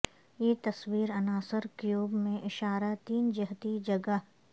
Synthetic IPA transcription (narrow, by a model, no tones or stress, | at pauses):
jeːt̪ɐswiːɾɐnaːsəɾkjuːbmẽʔɪʃaːɾat̪iːnd͡ʒɐɦt̪id͡ʒɐɡəɦ